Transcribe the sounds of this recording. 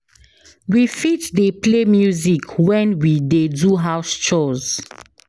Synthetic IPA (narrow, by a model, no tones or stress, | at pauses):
wifitdeplemjuzikwɛ̃nwideduɦawst͡ʃɔz